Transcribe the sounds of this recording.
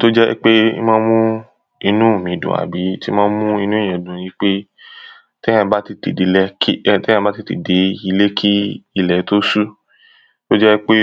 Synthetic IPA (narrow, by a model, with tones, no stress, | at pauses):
to˦d͡ʒɛ̰˦k͡pe˦ḭ˦mãː˦mũ˦ | i˧nũ˦˨mĩ˨dṵ̃˨a̰˨bi˨˦ti˦mã˦mũ˦i˧nũ˦˨ɛ̃˨dũ˨jĩ˨˦k͡pe˦ | tɛ˦ã˧˦ba˦ti˦te˨de˨˦lɛ˧ki˦tɛ̃˦ã˧ba˦ti˧˦tḛ˨de˨˦i˧le˦kʰi˦i˦˧˨lɛ˨˦to˦su˦ | to˦d͡ʒɛ˦k͡pe˦